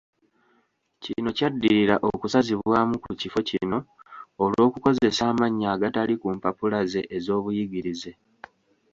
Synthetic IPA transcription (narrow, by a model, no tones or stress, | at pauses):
cino̞cadːiɾiɾaʔo̞kusaziβwaːmukucifo̞cino̞ːlwo̞ːkuko̞ze̞saːmaɲːaːɡatalikumpapulaze̞ʔːzo̞ːβujiɡiɾize̞